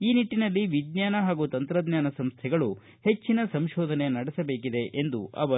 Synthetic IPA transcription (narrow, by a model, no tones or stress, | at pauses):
iːniʈːinɐlːiʋid̪ɲaːnɐɦaːɡuːt̪ɐnt̪ɾɐd̪ɲjaːnɐsɐmst̪ʰɛɡɐɭu | he̞t͡ʃːinɐsɐmʃɔːd̪ʱɐne̞nɐɽɛsɐbe̞ːkid̪e̞ʔend̪uʔɐ̰ʋɐ